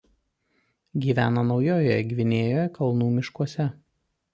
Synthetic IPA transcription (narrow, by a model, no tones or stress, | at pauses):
ɡʲiːʋʲæːnɐnɒʊjoːjɛɛɡʲʋʲɪnʲeːjoːjɛkɐlˠnuːmʲɪʃkuɔsʲɛ